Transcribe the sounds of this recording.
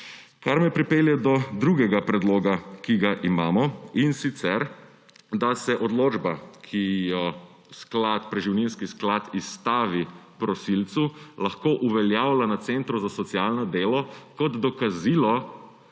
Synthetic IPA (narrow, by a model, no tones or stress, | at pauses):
kaɾmɛpɾipeːljɛd̪ɔd̪ɾuɡɛɡapɾɛd̪loːɡakiɡaʔimaːmɔinsit̪sɛɾ | d̪asɛʔɔd̪loːd͡ʒbakʰijɔ | sklat̪pɾɛʒiwninskisklat̪ist̪aːʋipɾɔsilt̪sulaxkoːʔuʋɛljaːwlanat̪sent̪ɾuzasɔt̪sjalnɔd̪eːlɔkɔd̪d̪ɔkaziːlɔ